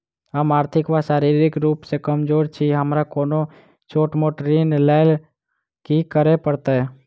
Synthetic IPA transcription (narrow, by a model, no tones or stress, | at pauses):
ɦəmaːɾt̪ʰɪkʋaʃaːɾiɾɪkɾuːpsekəmd͡ʒoːɾt͡ʃʰiɦəmɾakoːno | t͡ʃoːʈmoːʈɾinlal | kikəɾepəɾt̪e